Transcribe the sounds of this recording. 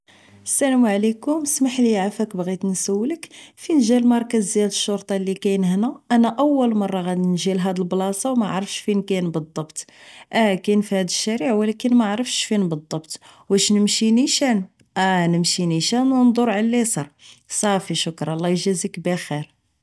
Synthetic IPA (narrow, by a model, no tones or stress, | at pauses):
əsælæmʕlikʊmsmaħliʕafækbɣit̪nsəwːləkfinʒælmɑɾˤkæzːjæd̪əʃːoɾt̪ˤɑlːikæjnhnæʔænæʔæwːəlmɑrˤːɑɣæd̪nʒilɦæd̪əlblɑsˤɑwmæʕɾəfʃfinkænbəd̪ˤːɑbt̪ʔækænfihæd̪əʃːæɾiʕwlækənmaʕɾəfʃfinbəd̪ˤːɑbt̪wæʃnəmʃiniʃæn | ʔænəmʃiniʃænwnd̪ˤoɾʕalːisˤɑɾˤsˤɑfiʃʊkɾˤɑlˤːɑjʒæzikbæxiɾ